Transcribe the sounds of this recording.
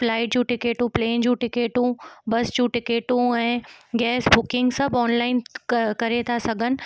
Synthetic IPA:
flaːɪʈ̚d͡ʑũːʈɪkeːʈũpleːnd͡ʑũʈɪkeːʈũbɐsd͡ʑũːʈɪkeːʈũɛ̃ːɡɛːsbʊkɪ̃ŋɡsɐbʱɔːnlaːɪnkɐɾet̪ʰasɐɡʱənɪ̆

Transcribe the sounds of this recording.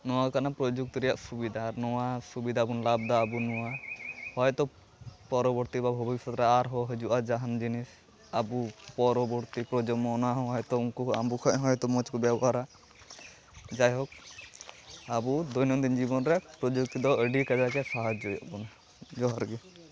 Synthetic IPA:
nɔwakanapɾɔd͡ʒuk̚t̪ɾɛja̰ʔsubid̪ʱaɾnɔwasubid̪ʱabunlab̚d̪aːbunɔwahɔjt̪ɔ | pɔɾɔbɔɾt̪ibabʱɔbiisɔt̪ɾɛaɾɦɔɦəd͡ʒuʔad͡ʒaɦand͡ʒinis | abupɔɾɔbɔɾt̪ipɾɔd͡ʒɔmɔːnaɦɔ̃ɦɔjt̪ɔuŋkuambukʰɔʔɦɔjt̪ɔmɔt͡ʃkɔbjabɔɦaɾa | d͡ʒajɦɔk̚ | abud̪ɔjnɔnd̪ind͡ʒibɔnɾɛpɾɔd͡ʒuk̚t̪ɔd̪ɔəɖikad͡ʒakɛsaɦad͡ʒɔja̰ʔbɔn | d͡ʒɔɦɔɾɡi

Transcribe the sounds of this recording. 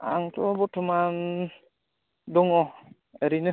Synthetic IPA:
a̰ŋt̪ɔbɔtʰɔman | dɔŋɔ | əɾinɯ

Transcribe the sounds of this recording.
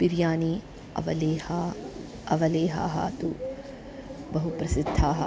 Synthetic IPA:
piɾjaːni | ɐ̰ʋɐleha | ɐʋɐleːɦa̰ːɦɐ̰ːt̪u | bɐɦupɾɐsid̪ʱːaːɦɐ

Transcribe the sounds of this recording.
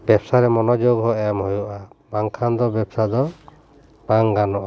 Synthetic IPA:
bɛpsaɾɛmɔnɔd͡ʒoɡɦɔɛmhojɔʔabaŋkʰand̪ɔbɛbsad̪ɔ | b̥aŋɡanɔʔa

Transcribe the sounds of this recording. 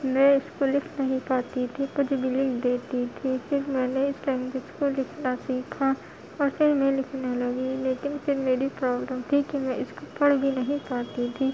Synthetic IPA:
mɛ̃ɪskolɪkʰnɐɦĩpaːt̪it̪ʰipʊd͡ʒbʱilɪkʰd̪eːt̪it̪ʰifɪɾmɛ̃ːneɪslɛ̃ːŋɡɪd͡ʒkolɪkʰnasiːkʰa | ɔːɾsɪɾmẽlɪkʰnalɐɡileːkɪnsɪɾmeːɾipɾɔːbləmt̪ʰikimɛ̃ɪskopɐɽɡinɐɦĩpaːt̪it̪ʰiː

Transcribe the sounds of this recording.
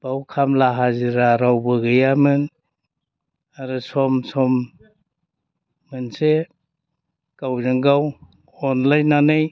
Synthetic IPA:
b̥awkʰamlaɦaziɾaɾawbɯɡɯjamɯn | aɾɯsɔmsɔm | ɯnse | kawzɯŋɡaw | ɔnlajnːanɯj

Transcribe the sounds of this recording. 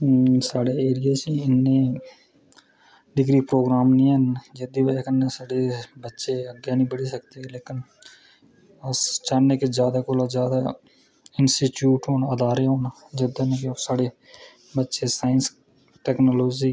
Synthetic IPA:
saːɽeːeːɾɪjaːt͡ʃiɪnːẽː | ɖɪɡɾiːpɾoːɡɾaːmnĩːɦənd͡ʒəd̪iʋekənesaːɽebətːʃeəɡjanĩːbəɽisək̚t̪eleːkɪn | st͡ʃaneked͡ʒjaːd̪aːkoːlad͡ʒjaːd̪a | ɪnsʈiːʈjuːʈɦoːnaəd̪aːɾeɦoːna | d͡ʒəd̪enekesaːɽe | bətːʃesaːɪns | ʈɛːknoloːd͡ʒiː

